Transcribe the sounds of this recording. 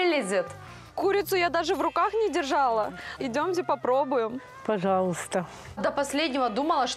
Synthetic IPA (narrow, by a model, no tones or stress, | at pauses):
lʲɪzʲɪt̪ | kuɾʲɪt̪sʊjad̪aʐɨvɾʊkaxnʲɪdʲɪrʐalˠəɪdʲomt̬ʲɪpɐpɾobʊjɪm | pɐʐɑlˠəst̪ə | d̪əpɐsʲlʲedʲnʲɪvəd̪uməlˠəʂ